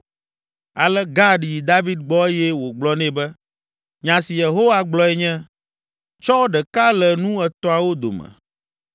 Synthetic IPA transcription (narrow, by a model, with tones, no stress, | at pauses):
a˨lɛ˦ɡa˦ɖi˨ji˨d̪a˦vi˦d̪̚ɡ͡bɔ˦e˦jɛ˦wo˨ɡ͡blɔ˦nɛ̃˦bɛ˦ | ɲã˨si˨je˨ɦo˦wa˨ɡ͡blɔ˦ɛ˦ɲɛ̃˦ | t͡ʃɔ˦ɖɛ˨ka˦lɛ˨nũ˦ɛ˨t̪ɔ˦a˨wo˦d̪o̰˨mɛ̰˨